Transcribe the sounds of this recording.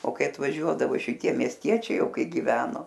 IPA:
oː ˈkɐɪ ɐtʋɐˈʒʲuɔdɐʋoː ʃʲɪˈtʲiɛ mʲiɛsʲˈtʲiɛt͡ʃʲɛɪ ˈjɛʊ ˈkɐɪ ɡʲɪˈʋʲæːnoː

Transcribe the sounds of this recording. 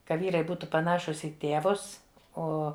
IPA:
ˈkɐ ˈʋʲiːrɐɪ ˈbuːtʊ pɐˈnɑːʃʊs iː ˈtʲeːʋʊs ˈoː

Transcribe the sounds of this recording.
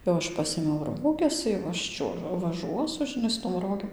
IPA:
jɛʊ ˈɐʃ ˈpɑːsʲeːmʲɛʊ ˈroːɡʲɛs jɛʊ ˈɐʃ ˈt͡ʃʲuɔ ʋɐˈʒuɔsʊ ʒʲɪˈnɐɪ sʊ toːm ˈroːɡʲeːm

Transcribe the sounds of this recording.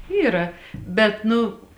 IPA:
ˈiːrɐ bʲɛt ˈnʊ

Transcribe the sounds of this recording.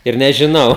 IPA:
ɪr nʲɛʒʲɪˈnɐʊ

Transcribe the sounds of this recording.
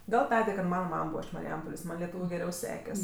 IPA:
ˈɡɐlˠ ˈtɑːdʲeː kɐt ˈmɑːnɐ ˈmɐm ˈbuːʋɐ ɪʃ mɐrʲɪˈjɛmpoːlʲeːs ˈmɐnʲ lʲɛˈtuːʋʲʊ ɡʲɛˈrʲɛʊ ˈsʲæːkʲɛsʲ

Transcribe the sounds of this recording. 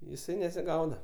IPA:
jɪˈsɐɪ nʲɛsʲɪˈɡɐʊdɐ

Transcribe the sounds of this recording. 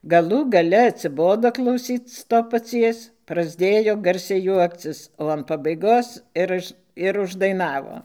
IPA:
ɡɐˈlˠuː ɡɐˈlʲɛ ɐtʲsʲɪˈboːdoː klˠɐʊˈsʲiːt͡s ˈtoː pɐˈt͡sʲiɛs prɐzʲˈdʲeːjoː ˈɡɐrʲsʲɛɪ ˈjuɔkt͡sʲɪs oː ɐn pɐbɐɪˈɡoːs ɪr ˈʊʃ ɪr ʊʒdɐɪˈnɑːʋoː

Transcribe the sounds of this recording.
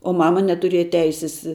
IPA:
oː ˈmɑːmɐ nʲɛtʊˈrʲeːjɛ ˈtʲɛɪsʲɪs

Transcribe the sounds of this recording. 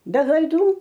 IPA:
bʲɛ klˠɐɪˈduː

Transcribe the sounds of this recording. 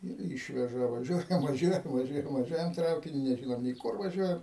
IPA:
ɪr ˈiːʃʲʋʲɛʒɐ ʋɐˈʒʲuɔjɛm ʋɐˈʒʲuɔjɛm ʋɐˈʒʲuɔjɛm ʋɐˈʒʲuɔjɛm ˈtrɐʊkʲɪnʲʊ nʲɛˈʒʲɪnoːm nʲeː ˈkʊr ʋɐˈʒʲuɔjɛm

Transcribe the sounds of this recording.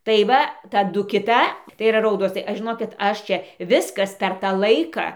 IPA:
tɐɪ ˈʋɐ tɐˈdʊ kʲɪˈtɐ tɐɪ iːˈrɐ ˈrɐʊdoːs tɐɪ ˈɐʃ ʒʲɪˈnoːkʲɪt ˈɐʃ ˈt͡ʃʲɛ ˈʋʲɪskɐs pʲɛr ˈtɑː ˈlˠɐɪkɑː

